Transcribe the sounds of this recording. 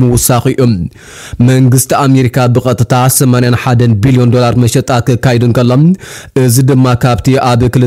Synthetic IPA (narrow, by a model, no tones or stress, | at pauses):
mɐwʊsaxɨjːom | mɐŋɡɨst̪ʰiame̞ɾikʰabɨxʼɐt̪ʼɨt̪ʰasɐmanjanħad̪ɐnbilijo̞nd̪o̞laɾmɐʃɛt̪ʼːakɨkːajɛd̪ɨnkɐlːo̞mʔɨzid̪ɨmːakʰaβt̪ʰiʔaβkɨlɨ